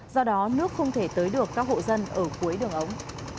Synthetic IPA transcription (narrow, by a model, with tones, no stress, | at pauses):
zɔ˧ɗɔ˨˦nɨ˦˥ək̚xə˧wŋ͡mt̪ʰe˧˩t̪əː˨˦jɗɨ˨˩əkːaː˦˥k̚ho̰˧˨zə˧nʔəː˧˩ku˨˦əjɗɨ˨˩əŋʔə˨˦wŋ͡m